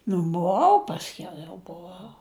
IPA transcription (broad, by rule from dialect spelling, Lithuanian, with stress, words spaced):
nʊ bʊˈʋɐʊ ˈpɑːsʲˌkʲɛʊ jɛʊ bʊˈʋɐʊ